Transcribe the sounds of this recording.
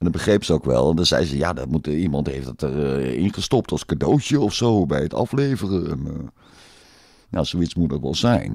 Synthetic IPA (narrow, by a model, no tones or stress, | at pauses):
ɛndɔtbəχrejpsəowkʋɛ̰lˠʋɑndɑzɛ̰jzəja̰ːdɔmutimɑntɦejftdətərɪnχəstɔp̚tʰɑlˠskadowtjəɔfsowbɛjətɑ̰fleːvərəɛnə | ja̰z̥oitsmutnokʋɛ̰lˠzɛ̰jn